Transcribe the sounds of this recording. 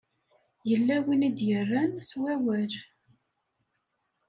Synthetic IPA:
jəlːæwinid̪jərːænswæwæɾ

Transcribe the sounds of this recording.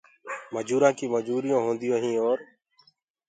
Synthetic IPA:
məd͡ʒuːɾãːkiːməd͡ʒuːɾijõːɦõːnd̪ɪjõːɦĩːoːɾ

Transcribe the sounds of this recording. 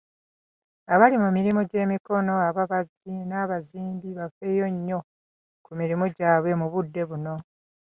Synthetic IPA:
aβalimumiɾimoɟe̞ːmiko̞no̞aβaβazinaːβaziːmbiβafe̞ːjo̞ɲːo̞ | kumiɾimoɟaːβwe̞muβudːe̞βuno̞

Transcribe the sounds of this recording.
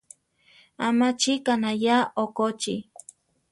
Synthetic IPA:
amat͡ʃikanajaokot͡ʃḭ

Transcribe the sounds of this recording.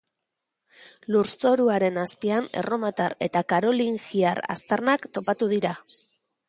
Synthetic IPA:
luɾt͡so̞ɾuaɾe̞naspiane̞̰ro̞mat̪aɾe̞t̪akaɾo̞liŋxiaɾa̰st̪arnakt̪o̞pat̪uðiɾa

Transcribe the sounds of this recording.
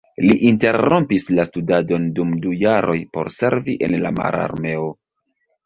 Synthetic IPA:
liʔinte̞ɾompislastudado̞ndumdujaɾʔo̞jpo̞̰ɾse̞ɾviʔenla̰ma̰ɾa̰ɾme̞o

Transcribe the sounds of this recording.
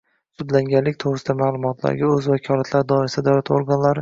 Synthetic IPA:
sʊd̪laŋɡʲanlːɪkʲt̪ʰoɾɪsɪd̪amaːlˠʊmɒt̪ʰla̰ɾɡʲaɵzvakʲʰɒlˠat̪ʰlaɾd̪ɒɪɾasɪd̪ad̪awlat̪ʰoɾɡanlaɾɪ

